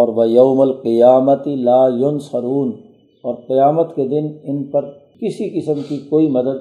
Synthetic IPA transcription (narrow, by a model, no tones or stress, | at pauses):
ɔːɾʋɐjɐʊmɐlqɪjaːmɐt̪ilaːjʊnsɐɾuːn | ɔːɾqijaːmət̪ked̪ɪnɪnpɐɾ | kɪsikɪsəmkikoːimɐd̪əd̪